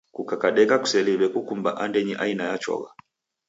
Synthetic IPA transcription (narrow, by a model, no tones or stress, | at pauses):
kukakaɗɛkaku̥sɛliβɛkukumba̰ʔandɛɲiʔainajat͡ʃɔ̰ɣa̰